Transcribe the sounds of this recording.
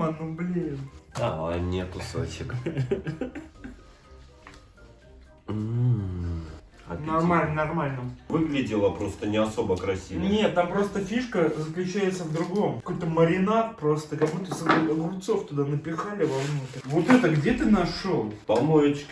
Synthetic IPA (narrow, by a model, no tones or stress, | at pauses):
anɨmblʲeda̰mnʲetkʊso̰t͡ɕɪk | ɐ̰nɐrmanɐrmalʲnəmvɨɡlʲɪdʲɪlˠəpɾo̞st̪ənʲɪɐso̞bəkɾɐsʲinʲe̞t̪ːampɾo̞st̪əfʲiʂkəzəklʲʉt͡ɕæjɪt̪səvd̪ɾʊɡo̞mkɐkojt̪əməɾʲɪnarpɾo̞st̪əkɐmut̪əəsɐolˠʊpt̪soft̪ʊd̪anəpʲɪxalʲɪvɐvnut̪ɾʲvot̪ɛt̪əɡdʲe̞t̪ɨnɐʂolˠpɐlˠmojɪt͡ɕk